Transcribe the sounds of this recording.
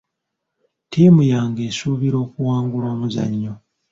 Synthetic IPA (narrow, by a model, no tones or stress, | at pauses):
tiːmujaːŋɡe̞ːsuːβiɾo̞ːkuwaːŋɡuloːmuza̰ɲːo